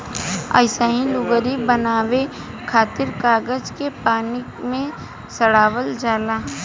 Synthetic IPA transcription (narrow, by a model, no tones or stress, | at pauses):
ə̰ːɪsaɦĩlʊɡəɾibənaːwe | kʰaːt̪ɪɾkaːɡəd͡ʒkepaːni | mẽ | səɽaːwəld͡ʒaːlaː